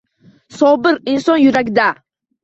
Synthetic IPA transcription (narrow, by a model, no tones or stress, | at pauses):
sobɪɾinsonjʊɾaɡʲd̪a